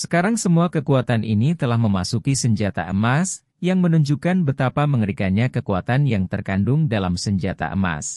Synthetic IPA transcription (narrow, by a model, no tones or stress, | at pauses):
sə̥kaɾaŋsəmuakəkuat̪anʔinit̪əlahməmasukisəɲd͡ʒat̪a̰ʔəmas | jaŋmənuɲd͡ʒukanbət̪apaməŋəɾikaɲakəkuat̪anjaŋt̪ərkandʊŋdalamsəɲd͡ʒat̪a̰ʔə̰ma̰s